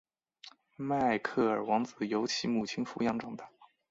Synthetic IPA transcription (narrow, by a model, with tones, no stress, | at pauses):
ma˥˩ɪkʰɤ˥˩ə˞˨˩wɑ˧˥ŋt͡sɹ̩˨˩jo˧˥ʊt͡ɕʰi˧˥mu˨˩t͡ɕʰi˥nfu˧˥jɑ˧˥ŋʈ͡ʂɤ˨˩ŋt̪a˥˩